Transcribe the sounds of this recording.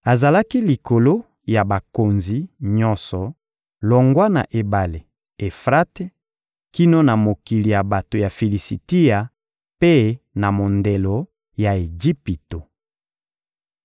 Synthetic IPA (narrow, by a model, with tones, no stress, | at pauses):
a˨za˨la˦ki˦li˨ko˨lo˦ | ja˨ba˨ko˨nzi˦ɲɔ˦nsɔ˨ | lɔ˨ŋɡwa˦na̰˨ʔe˨ba˨le˨ | e˨fʁa˦te˦ | ki˦no˦na˨mo˨ki˨li˨ja˨ba˨to˨ja˨fe˨li˨si˨ti˦a˨ | pe˦na˨mo˨nde˨lo˨ | ja˨e˨d͡ʒi˦pi˨to˨